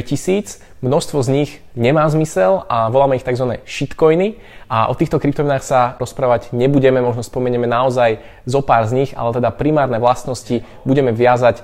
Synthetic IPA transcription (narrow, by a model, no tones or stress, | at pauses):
cisiːt͡s | mnɔst̪ʋɔzɲiɣ | ɲɛmaːzmisɛlʔaʋɔlaːmɛixt̪aɡzʋanɛ̰ːʃit̪kɔjni | aʔɔ̰t̪iːxt̪ɔkɾip̚t̪ɔʋinaːxsaɾɔspɾaːʋaɟɲɛbuɟɛmɛmɔʒnɔspɔmɛɲɛmɛnaɔzaj | zɔpaːɾzɲiɣa̰lɛt̪ɛd̪apɾimaːɾnɛʋlast̪nɔsci | buɟɛmɛʋɪazac